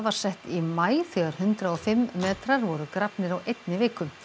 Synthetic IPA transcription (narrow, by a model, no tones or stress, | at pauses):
vaɾ̥sɛht̪imaːjθœɣaɾ̥hʏnt̪ɾaɔfɪmːɛðt̪ʰɾɛɾvɔɾʏkɾapnɪɾawʔejt̪nɪvɪːkʏm